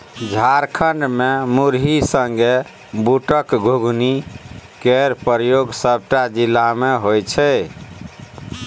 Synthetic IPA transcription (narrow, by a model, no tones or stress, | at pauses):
d͡ʒʱaɾkʰəɳɖmemuɾɦisəŋɡe | buʈəkɡʱoɡʱnikeɾpɾjoɡsəb̚ʈad͡ʒilːameɦojt͡ʃʰɛ